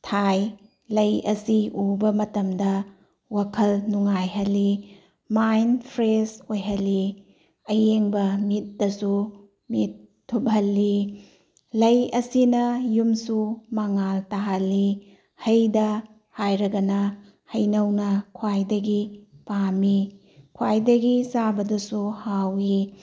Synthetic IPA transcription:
tʰaj | lɐjɐ̰siubɐmɐtɐmdɐ | wakʰɐlnuŋajɦɐlːi | majnpʰɾesojɦɐlːi | ɐjeŋbɐmit̚dɐsu | mitʰː | ubɐlːi | lɐjɐsinɐjumsumɐŋaltaɦɐlːi | hɐjdɐ | hajɾɐɡɐnɐ | hɐjnɐwnɐkʰwajdɐɡipami | kʰwajdɐɡisabɐdɐsuhawi

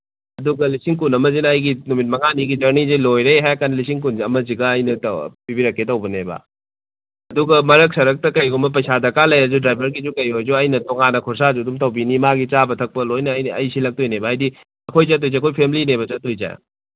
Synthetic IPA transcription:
ɐduɡɐlisiŋkunɐmɐzinɐɐjɡinumit̚mɐŋaniɡid͡ʒɐɾnizilojɾejɦajkanɐlisiŋk̬unɐmɐziɡɐːjnɐtɐpibiɾɐkːet̬ɐwbɐnebɐ̰ | ɐduɡɐmɐɾɐk̚sɐɾɐk̚tɐkɐjɡumɐp̬ɐjsadɐkalɐjɐd͡ʒudɾajbʱɐɾɡizukɐjojzuɐjnɐtoŋanɐkʰuɾsazudumtɐwbinimaɡit͡ʃabɐtʰɐk̚pɐlojnɐjnɐ̰jsilɐk̚tʰojnebɐɦajdi | ɐkʰojt͡ʃɐt̬ːojzeɐkʰojpʰemlinebɐt͡ʃɐtːojd͡ʒa̰j̰

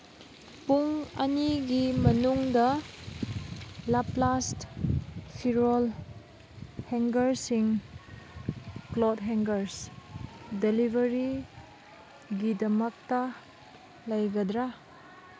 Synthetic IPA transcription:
puŋɐniɡimɐnuŋdɐ | laplast | pʰiɾol | heŋɡɐɾsiŋ | klodɦeŋɡɐɾs | delibʱɐɾi | ɡidɐmɐk̚tɐ | lɐjɡɐdɾa

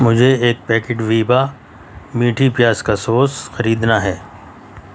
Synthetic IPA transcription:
mʊd͡ʒʱeeːk̚pɛːkeʈʋiːba | miːʈʰipjaːskasoːsxɐɾiːd̪naɦɛː

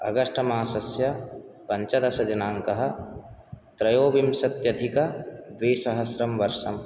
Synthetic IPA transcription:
ɐ̰ɡɐʂʈɐmaːsɐsjɐpɐɲt͡ʃɐd̪ɐsɐd͡ʒɐnaːŋkɐɦɐ̆ | t̪ɾɐjoːbimsɐt̪jɐd̪ʱikɐd̪ʋiːsɐɦɐsɾɐmʋɐɾʃɐm

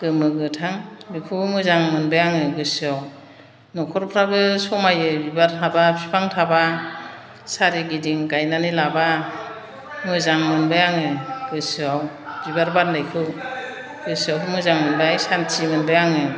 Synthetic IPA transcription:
ɡ̥ɯmɯɡɯtʰaŋbikʰɯmɯzaŋmɯnbajaŋɯɡɯsɯaw | nɔkʰɔɾpʰɾaɡɯsɔmajɯbibaɾtʰabapʰi̥pʰaŋtʰaba | saɾiɡidiŋɡajnanilaba | mɯzaŋmɯnbajaŋɯɡ̥ɯsɯaw | bibaɾbat̚nlajkʰɯw | ɡ̥ɯsɯawkʰɯmɯzaŋmɯnbajsantʰimɯnbajaŋɯ

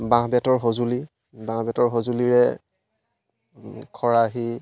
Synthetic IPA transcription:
bãɦbjatɔɹɦozuli | bãŋbatɔɹɦozuliɹɛ | kʰɔɹaɦi

